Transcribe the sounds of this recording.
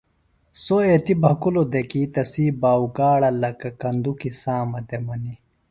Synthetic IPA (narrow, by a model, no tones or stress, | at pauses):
soet̪ibʱɐkulod̪ekit̪ɐsiːbaːukaːɽɐlɐkɐkɐnd̪ukisaːmɐd̪emɐni